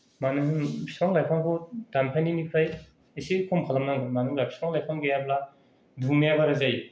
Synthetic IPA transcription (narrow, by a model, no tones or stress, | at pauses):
manɯŋsɾɔŋlajpʰaŋkʰɔdanpʰajninipʰaj | esikʰɔmkʰalamnaŋɡɯmanɯŋlapʰsɾaŋlajpʰaŋɡejabla | dumejabaɾazaj